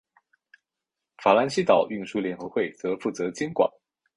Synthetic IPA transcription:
fa˨˩la˧˥nɕi˥t̪ɑ˨˩ʊy˥˩ŋʂu˥ljɛ˧˥nxɤ˧˥xwe˥˩ɪt͡sɤ˧˥fu˥˩t͡sɤ˧˥t͡ɕi˥nkwa̰˨˩˦n

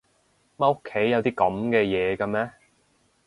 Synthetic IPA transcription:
mɐ˥o˥kʰːe˨˥jːɐ˨˧wt̪iː˥kɐ˨˥mkɛː˧jɛː˨˧kɐ˧mɛː˥

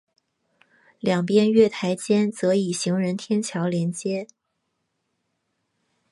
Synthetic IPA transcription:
ljɑ˨˩ŋpjɛ˥nɥɛ˥˩t̪ʰa˧˥ɪt͡ɕjɛ˥nt͡sɤ˧˥i˨˩ɕi˧˥ŋɻə˧˥nt̪ʰjɛ˥nt͡ɕʰjɑ˧˥ʊljɛ˧˥nt͡ɕjɛ˥

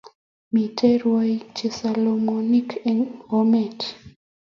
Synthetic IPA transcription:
mi˨te˦ɾwo˦jt͡ʃe˨sa˨lo˨mo˨ni˦keɡo˦me˦˨t

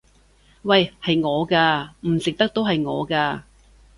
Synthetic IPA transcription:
wɐ˥˨jhɐ˨jŋɔː˨˧kaː˧m̩˨˩sɪ˨k̚t̪ɐ˥k̚t̪o˥wɦɐ˨jŋɔ̰ː˨˧kaː˧

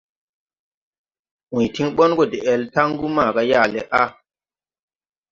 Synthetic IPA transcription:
ʔũ˨jti˦ŋɓɔ˦nɡo˨de˨ɛ˨lta˦ŋɡu˦ma˨ɡa˦ja˦˨le˨ʔa˦

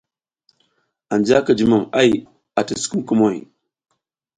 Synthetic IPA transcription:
a˨nd͡ʒa˦kə˨d͡ʒi˨ma˨ma˦j | a˨tə˨sku˦m˦kə˦mo˦˨j

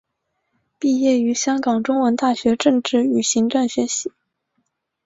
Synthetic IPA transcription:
pi˥˧jɛ˥˩y˧˥ɕjɑ˥ŋkɑ˨˩ŋʈ͡ʂʊ˥ŋwə˧˥nt̪a˥˩ɕɥɛ˧˥ʈ͡ʂɤ˥˧ŋʈ͡ʂɻ̩˥˩y˨˩ɕi˧˥ŋʈ͡ʂa˥˩nɕɥɛ˧˥ɕi˧˥

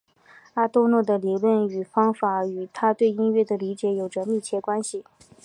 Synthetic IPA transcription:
a˥t̪o˥ʊnwɔ˥˩d̪ə˩li˨˧˩lwə˥˩ny˨˩fɑ˥ŋfa˧˥y˨˩t̪ʰa˥t̪we˥˩ɪi˥nɥɛ˥˩d̪ə˩li˧˥t͡ɕjɛ˧˥jo˨˩ʊʈ͡ʂə˧mi˥˩t͡ɕʰjɛ˥˩kwa˥nɕi˨˩

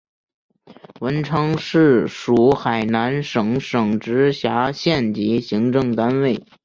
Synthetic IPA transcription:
wə˧˥nʈ͡ʂʰɑ˥ŋʂɻ̩˥˩ʂu˨˧˩xa˨˩ɪna˧˥nʂɤ˨˩ŋʂɤ˨˩ŋʈ͡ʂɻ̩˧˥ɕja˧˥ɕjɛ˥˩nt͡ɕi˧˥ɕi˧˥ŋʈ͡ʂɤ˥˧ŋt̪a˥nwe˥˩ɪ

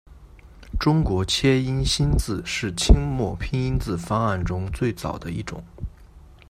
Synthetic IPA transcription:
ʈ͡ʂʊ˥ŋkwɔ˧˥t͡ɕʰjɛ˥i˥nɕi˥nt͡sɹ̩˥˧ʂɻ̩˥˩t͡ɕʰi˥ŋmwɔ˥˩pʰi˥ŋi˥nt͡sɹ̩˥˩fa˥ŋa˥˩nʈ͡ʂʊ˥ŋt͡swe˥˩ɪt͡sɑ̰˨˩ʊd̪ə˦i˥˩ʈ͡ʂʊ̰˨˩˦ŋ

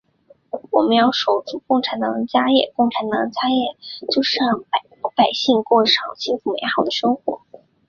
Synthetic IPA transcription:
wɔ˨˩mə˦njɑ˥˩ʊʂo˨˩ʊt͡su˥˩kʊ˥˩ŋʈ͡ʂʰa˧˥nt̪ɑ˨˩˥ŋt͡ɕja˥jɛ̰˥˧kʊ˥˩ŋʈ͡ʂʰa˧˥nt̪ɑ˨˩ŋt͡ɕja˥jɛ˥˩t͡ɕjo˥˧ʊʂ̩˥ɑ˥˩ŋ˩ | pa˨˩ɪɕi˥˧ŋkwɔ˥˩ʂɑ˨˩ŋt͡ɕʰi˥fu˨˩me˧˥ɪxɑ˨˩ʊd̪ə˦ʂɤ˥ŋxwɔ̰˧˥

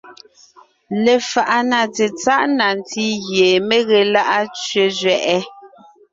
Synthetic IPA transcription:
le˨fa˨ʔa˨na˨te˨t͡sa˦ʔna˨n˨ti˦ɣje˨me˦ɣe˨la˦ʔa˦t͡ʃɥe˨zɥɛ˨ʔɛ˦

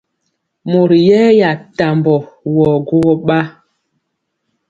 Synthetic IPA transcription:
mo˨ɾjɛ˦ja˨ta˨mbɔ˨wɔ˨ɡo˦ɣɔ˦ɓa˦

